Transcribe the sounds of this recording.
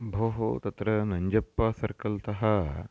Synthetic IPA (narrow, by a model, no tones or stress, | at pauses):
bʱoːɦo̰t̪ɐt̪ɾɐnɐɲd͡ʒɐpːɐsɐɾkɐlt̪ɐɦɐ